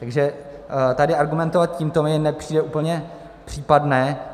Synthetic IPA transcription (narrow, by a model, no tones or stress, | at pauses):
t̪aɡʒɛ | t̪adɪaɾɡumɛnt̪ovat̪̚ciːmt̪omɪnɛpr̝̥iːdɛʔuːpl̩ɲɛ | pr̝̥iːpadnɛː